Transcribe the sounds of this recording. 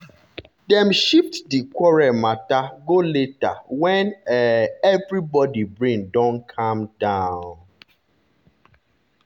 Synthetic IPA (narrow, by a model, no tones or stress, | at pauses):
dɛ̃mʃiftdikɔɹɛmataɡoleta̰wɛ̃n | ɛvɹibɔdibɹĩndɔ̃nkʰãmdãʊn